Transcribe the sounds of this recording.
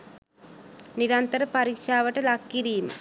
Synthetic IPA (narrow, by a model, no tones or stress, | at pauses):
niɾɐnt̪ɐɾɐpɐɾikʂaːʋɐʈɐlɐkːiɾijum